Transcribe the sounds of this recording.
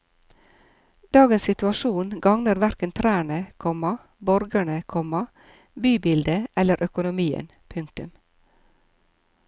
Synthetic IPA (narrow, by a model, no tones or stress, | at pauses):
d̪̥ɑːɡənssɪt̪ʉɑʃuːnɡɑŋnəɾʋæɾkənt̪ʰɾæːɳəkʰɔmɑ | bɔɾɡəɳəkʰɔmɑ | byːbɪld̪əʔɛləɾʔœkʊnʊmiːə̰npʰʉŋk̚t̪ʉm